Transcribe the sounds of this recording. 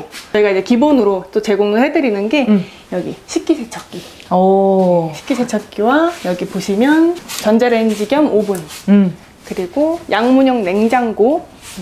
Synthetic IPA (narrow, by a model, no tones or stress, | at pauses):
t͡ɕʌiɡaid͡ʑe̞kibonɯɾot͈ot͡ɕe̞ɡoŋɯɭhe̞dɯɾinɯnɡe̞ | jʌɡiɕʰik̚k͈isʰet͡ɕʰʌk͈i | ʌɕʰi̥p̚k͈isʰet͡ɕʰʌk͈iwajʌɡipoɕʰimjʌnt͡ɕʌnd͡ʑeɾend͡ʑiɡjʌmobun | kɯɾiɡojaŋmuɲʌŋne̞ŋd͡ʑaŋɡo